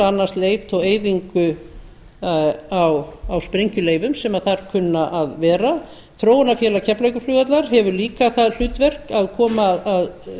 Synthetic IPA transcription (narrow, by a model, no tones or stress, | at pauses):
anːast̪leːjt̪ʰɔɣeːjðiŋkʏ | awawspɾejɲcʏleːjvʏmsɛmaθaɾ̥kʰʏnːaʔaðvɛːɾa | θɾoːwnafjɛːlacʰɛplejkʏflʏːɣat̪laɾ̥ɦɛvʏɾliːkaθaðl̥ʏːt̪vɛr̥kaðkʰɔːmaðað